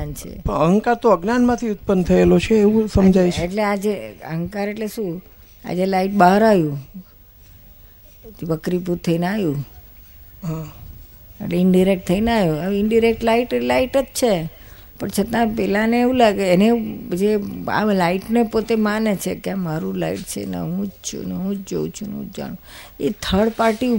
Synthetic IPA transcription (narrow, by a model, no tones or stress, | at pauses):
ant͡ʃʰḛpəəɦə̃ŋkaɾt̪oəɡnanmãt̪ʰiʊt̪̚pənt̪ʰəelot͡ʃʰeːʋũsəmd͡ʒajeʈlead͡ʒeə̰ɦə̃ŋkaɾeʈleʃũ | a̰d͡ʒelaiʈ̚baɦəɾajũ | ʋəkɾipuɾt̪ʰəinajũ | ɦã | ḛʈleɪɳɖiɾek̚ʈ̚t̪ʰəinajũaɪɳɖiɾek̚ʈlaiʈlaiʈətt͡ʃʰe | pəɳt͡ʃʰət̪ãpɛlaneeʋũlaɡeːned͡ʒea̰laiʈnepot̪emanet͡ʃʰekemaɾũlaiʈt͡ʃʰḛnə̰ɦũd͡ʒt͡ʃʰṵnəɦũd͡ʒd͡ʒo̰ũt͡ʃʰunəṵ̃d͡ʒd͡ʒa̰nũet̪ʰəɽpaɾʈi